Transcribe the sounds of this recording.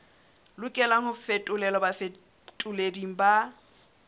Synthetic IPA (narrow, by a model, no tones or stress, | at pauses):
lʊkʼɛlaŋhʊfetʼʊlɛlɔbafe | tʼʊlediŋ̩ba